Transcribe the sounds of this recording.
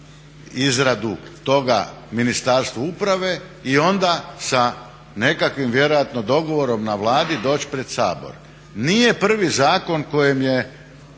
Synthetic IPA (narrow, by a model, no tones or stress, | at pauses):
izɾad̪ut̪o̞ɡa̰ | minist̪aːɾst̪ʋuupɾaʋe̞ | io̞nd̪asa | ne̞kakʋimʋje̞ɾo̞jat̪nod̪o̞ɡo̞ʋo̞ɾo̞mnaʋlˠaːd̪id̪o̞ːt͡ɕpɾe̞d̪̥sa̰ːbo̞̰ɾ | nije̞pr̩ʋizaːko̞nko̞jemje̞